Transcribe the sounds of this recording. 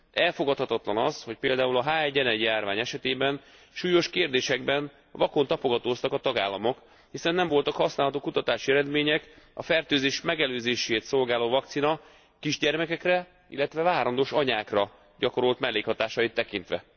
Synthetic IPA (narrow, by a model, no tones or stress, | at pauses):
ɛlfo̞ɡɒt̪hɒt̪ɒt̪lɒnɒ̰sho̞cpeːld̪aːulɒɦaːɛɟɛnɛjaːrvaːɲɛʃɛt̪eːbɛn | ʃuːjo̞ʃkeːrd̪eːʃɛɡbɛn | vɒko̞nt̪ɒpo̞ɡɒt̪oːst̪ɒkɒt̪ɒɡaːlːɒmo̞k | hisɛnːɛɱvo̞lt̪ɒkhɒsnaːlɦɒt̪oːkut̪ɒt̪aːʃiɛɾɛd̪meːɲɛkɒ̰fɛrt̪øːzeːʃmɛɡɛløːzeːʃeːt̪so̞lɡaːloːvɒk̚t̪sinɒ | kiʒɟɛrmɛkɛkrɛ | ilːɛt̪ʋɛvaːɾond̪oʃɒɲaːkrɒ | ɟɒko̞ɾo̞lt̪mɛlːeːkhɒt̪aːʃɒit̪ːɛkint̪ʋɛ̰